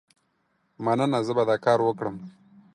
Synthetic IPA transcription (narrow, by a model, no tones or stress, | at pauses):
manənazəbad̪ɑːkɑːɾwəkɽəm